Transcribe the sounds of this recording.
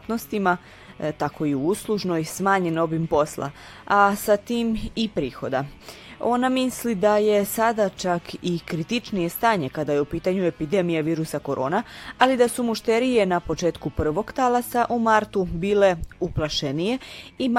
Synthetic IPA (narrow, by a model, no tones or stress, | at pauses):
t̪nost̪ima | t̪ako̞iuuːslˠuʒnojsmaːɲe̞no̞bimpo̞sla̰ | asat̪iːmipɾiːxo̞d̪ao̞namislid̪aje̞sad̪at͡ʃakikɾit̪it͡ʃnije̞st̪aːɲe̞kad̪aje̞upiːt̪aɲue̞pid̪e̞mijaʋiːɾusako̞ɾʔo̞̰ːnaalid̪asumuʃt̪eɾije̞napo̞t͡ʃeːt̪kupr̩ʋo̞ɡt̪alasaʔumaɾt̪ubiːle̞uplˠaʃe̞nije̞i